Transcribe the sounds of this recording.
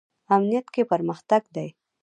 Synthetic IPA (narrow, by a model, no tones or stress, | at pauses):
amnijat̪kepəɾməxt̪aɡd̪aj